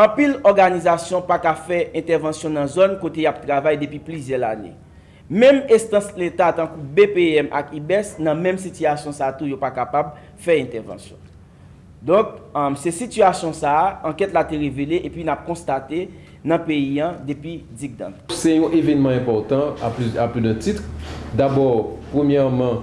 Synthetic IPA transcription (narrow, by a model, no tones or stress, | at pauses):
ɐ̃pilɔʁɡanizasjɔ̃pakafɛɛ̃t̪ɛʁvɑ̃sjɔ̃nɐ̃zonkot̪ejap̚t̪ʁavajd̪epɥiplyzjɛlanḛ | mɛ̃mɛst̪ɐ̃slet̪at̪ãkubepeɛmʔa̰kibɛsnɐ̃mɛ̃msit̪yasjɔ̃sat̪ujopakapab | fɛɛ̃t̪ɛʁvɑ̰̃sjɔ̰̃ | d̪ɔ̃k̚sɛsit̪yasjɔ̃saɐ̃kɛt̪lat̪eʁeveleʔepɥinap̚kɔ̃st̪at̪e | nɐ̃peiɐ̃d̪epɥid͡ziɡ̚d̪ã̰t̪sɛjɔ̃ʔevɛnmãɛ̃pɔʁt̪ãaplyaplyd̪ɛ̃t̪it̪d̪abɔʁpʁomjɛʁmã